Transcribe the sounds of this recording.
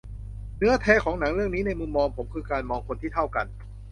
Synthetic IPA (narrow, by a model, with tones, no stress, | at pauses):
nɯ˦˥ɐt̪ʰɛː˦˥kʰɔː˩˦ŋna˩˦ŋɾɯ˥˩əŋniː˦˥na˧jmu˧mːɔː˧ŋpʰo˩˦mkʰɯː˧kaː˧nmɔː˧ŋkʰo˧nt̪ʰiː˥˩t̪ʰa˥˩wka˧n